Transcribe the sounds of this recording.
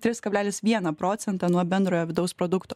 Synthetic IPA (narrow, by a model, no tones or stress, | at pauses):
t̪ʲɾʲɪskɐbʲlʲæːlʲɪsʋʲiɛnɐpɾoːt̪sʲɛnt̪ɑnuɔbʲɛnd̪ɾoːjoːʋʲɪd̪ɐʊspɾod̪ʊkt̪oː